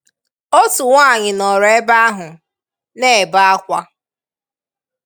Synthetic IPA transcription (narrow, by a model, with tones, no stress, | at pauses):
o˦tu˨ŋʷa˦˨ɲɪ˨nɔ˨ɾe˦ba˦a˦ɦʊ˨ | ne˦˨ba˦a˦kʷa˦